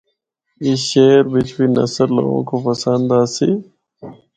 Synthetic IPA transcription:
iɕeːɾbit͡ʃbinɐ̰səɾlːo̰ɡõ̰kopɐsənd̪aːsi

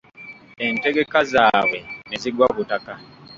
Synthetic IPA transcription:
ente̞ɡe̞kazaːwe̞neziɡwaβutaka

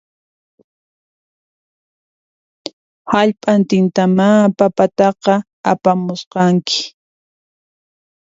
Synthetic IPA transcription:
haʎpʼant̪ɪnt̪amapapat̪ɑqɑ | apamʊsqɑŋkɪ̥

